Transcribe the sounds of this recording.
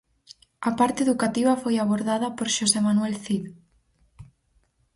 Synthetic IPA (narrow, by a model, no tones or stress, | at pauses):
ɐpaɾt̪eeðukat̪iβ̞ɐfojaβ̞oɾðaðɐpoɾʃosemanuelθið